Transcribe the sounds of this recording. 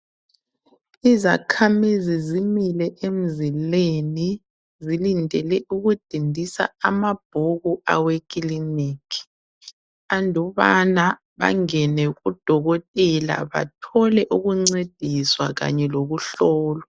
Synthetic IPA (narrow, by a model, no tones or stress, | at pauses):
iza̰kʰamizizimilɛʔem̩zileni | zilindʱɛlɛʔuɣud̥ʱindʱisa̰amab̥ʱoɣuawekʼiliniːkʰi̥ | andʱɔβana | βa̰ŋɛnɛɣud̥ʱɔɣɔtʼɛla̰βa̰tʰɔlɛʔuɣuŋ͡ǀed̥ʱiswaɣa̰ɲɛloɣuɬɔːlɔ